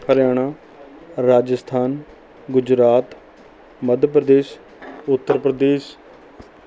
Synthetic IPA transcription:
kʰəɾjaːɽ̃aː | ɾaːd͡ʒəst̪ʰaːn | ɡʊd͡ʒɾaːt̪ | məd̪ʱpɾəd̪eːs | ʊt̪ːəɾpɾəd̪eːʃ

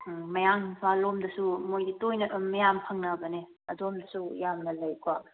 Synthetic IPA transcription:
mɐjaŋpʰalomdɐsumojditojnɐtɐmmɐjampʰɐŋnɐbɐni | ɐdomdɐsujamnɐlɐjkʰwa

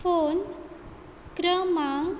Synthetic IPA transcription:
fon | kɾəmaŋ

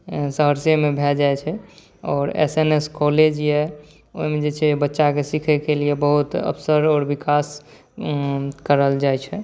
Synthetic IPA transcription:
səɦəɾsemebʱɛld͡ʒajt͡ʃʰɛ | ɔːɾḛseneskoled͡ʒjɛ | o̰ɦimed͡ʒet͡ʃʰɛbətːʃakesikʰɛkeliebəɦut̪ə̰bsəɾɔːɾbikas | kəɾəld͡ʒajt͡ʃʰɛ

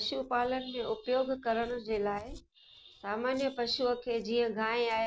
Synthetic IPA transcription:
pʃupaːlənɪ̆mẽʔʊpjoːɡkɐɾəɽ̃ʊ̆d͡ʑeːlaːɪ | saːmaːnjəpɐʃukʰeːd͡ʑiːə̃ɡʱaːẽaː

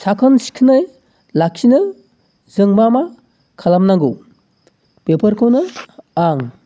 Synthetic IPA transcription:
sakʰɯnsi̥kʰɯnɯj | lak̚sinɯ | zɯŋmama | kʰalamnaŋɡɯw | pepəɾkʰɔwnɯaŋ

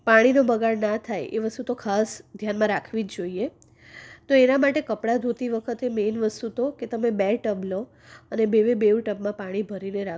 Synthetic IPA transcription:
paɽ̃inobəɡaɾnat̪ʰajʔḛʋəst̪ut̪okʰasd̪ʱjanmãɾakʰʋid͡ʒd͡ʒoie | t̪oenamaʈekəpɽad̪ʱut̪iʋəkʰət̪emenʋəst̪ut̪oket̪əmebɛʈəblo | ənebeʋebeʋʈəbmãpaɽ̃ibʱəɾineɾa

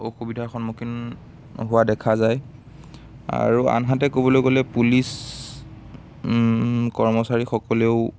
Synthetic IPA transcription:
oxubidʱaxɔnmokin | ɦʊwadɛkʰazaj | a̰ɹua̰nɦatɛkobɔlojɡolɛpulis | kɔɹmɔsaɹixɔkɔleʊ

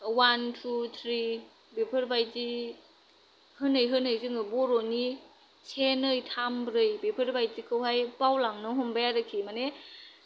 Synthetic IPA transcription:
wantʰut̪ʰɾi | bepʰɯɾbajti | hɯnɯjɦɯnɯjzɯŋɯbɔɾoni | sʰenɯjtʰambɾɯjbepʰɯɾbajtikʰɯwɦajpawlaŋnɯɦɔmbajaɾɯkʰimane

